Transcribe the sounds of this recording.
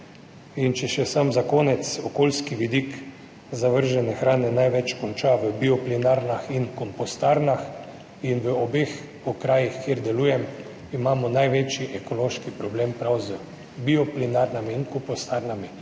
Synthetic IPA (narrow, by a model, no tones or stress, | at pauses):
int͡ʃɛʃɛsamzakoːnɛt̪sɔkoːlskiʋid̪ik | zaʋəɾʒɛnɛxɾaːnɛnajʋɛt͡ʃkɔnt͡ʃaʋəbiɔplinaɾnaxinkɔmpɔst̪aɾnax | inʋəɔbex | ɔkɾaːjixkjeːɾd̪ɛluːjɛm | imaːmɔnajʋet͡ʃiʔɛkoloːʃkipɾɔbleːmpɾawzə | biɔplinaɾnamiinkɔmpost̪aɾnami